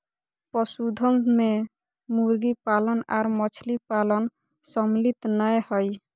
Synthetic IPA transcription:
pɔsud̪ʱənme | muɾɡipaləna̰ːɾmɔt͡ʃʰlipalən | sɔmlit̪nəjhɔj

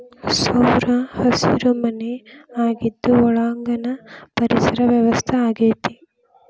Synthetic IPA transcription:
sɐwɾɐhɐsḭɾɐmɐneaːɡid̪ːuɔɭaːŋɡɐnɐpɐɾisɐɾɐʋjɐʋɐst̪ʰɐaːɡeːt̪i

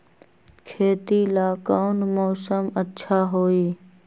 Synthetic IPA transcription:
kʰeːt̪iːlaːkaːnmoːsəmətːʃʰaːɦoːiː

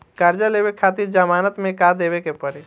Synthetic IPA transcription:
kaɾd͡ʒalebekʰat̪iɾd͡ʒəmanət̪mekad̪eβekepəɾe

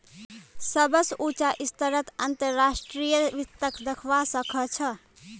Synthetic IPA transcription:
sʌbəsut͡ʃaʔist̪əɾət̪ənt̪əɾːasʈɾijəʋit̪ːəkd̪ekʰʋasʌkʰʌt͡ʃʰʌ

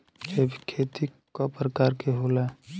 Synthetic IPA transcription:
d͡ʒeːbʱikʰeːt̪ikopɾəkaːɾkeɦoːla

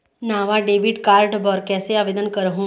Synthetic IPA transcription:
naːʋaɖeːʋɪɖkaːɾɖbɔːɾkɛːseaːʋeːd̪ənkɐɾɦũː

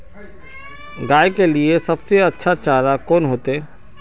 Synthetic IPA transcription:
ɡaːjkeliesɐbseɐtːʃʰat͡ʃaːɾakɔːnɦoːt̪eɛː

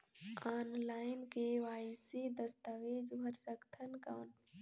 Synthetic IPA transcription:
aːnlaːɪnkeʋaːɪsed̪əst̪əʋeːd͡ʒbʱəɾsəkt̪ʰənkaːn

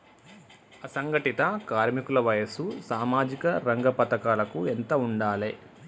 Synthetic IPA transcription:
ɐsɐŋɡɐʈit̪ɐkaːɾmikulɐʋɐjɐsusaːmaːd͡ʒikɐɾɐŋɡɐpɐt̪ɐkaːlɐkuent̪ɐuɳɖaːle

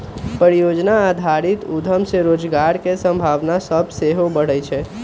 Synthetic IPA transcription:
pəɾijoːd͡ʒnaad̪ʱaɾɪt̪ud̪ʱəmseɾoːd͡ʒɡaːɾkesə̃mbʱaːʋnasəbseɦobəɽət͡ʃʰɛ

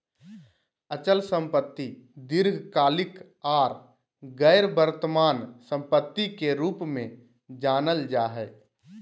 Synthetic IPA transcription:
ət͡ʃəlsə̃mpət̪ːid̪ɪɾɡʱkaːlɪk | aːɾ | ɡɛːɾbəɾt̪əmaːnsə̃mpət̪ːikeɾuːpmẽ | d͡ʒaːnəld͡ʒaːɦɛː

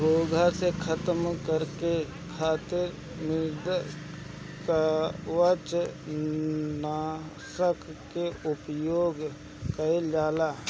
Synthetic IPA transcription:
boːɡʱasekʰət̪əmkəɾke | kʰaːt̪ɪɾ | mɪɾd̪ | kawət͡ʃ | naː | səkkeʊpjoːɡ | kəed͡ʒaːlaː

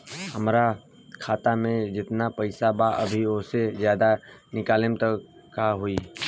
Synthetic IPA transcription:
hɐmɾa | kʰaːt̪amẽd͡ʒɪt̪napɐɪsabaʔɐbʱiosezjaːd̪anɪkaːlɪmt̪ə | kaɦoiː

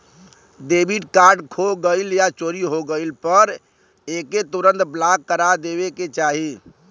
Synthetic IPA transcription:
d̪ebiɖkaɾɖkʰoɡəɪljat͡ʃoɾiɦoɡəɪlpəɾ | eket̪uɾənt̪blakːəɾad̪ebeket͡ʃaɦi

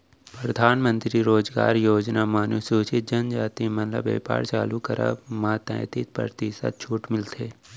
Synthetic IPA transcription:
pɾəd̪ʱaːnmə̃nt̪ɾiɾoːd͡ʒɡa̰ːɾjoːd͡ʒnamaːnusoːt͡ʃɪt̪̚d͡ʒɐnd͡ʒaːt̪imɐnlə̰bḛːpa̰ːɾt͡ʃaːlukəɾa̰mãːt̪ã̰ːjt̪ɪt̪̚pɾə̰ɾt̪ɪsə̰t̪̚t͡ʃʰuːʈmɪlt̪ʰeː

